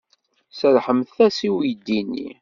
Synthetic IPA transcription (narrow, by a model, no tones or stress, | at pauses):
səɾħəmθθæsiwijd̪ːinːḭ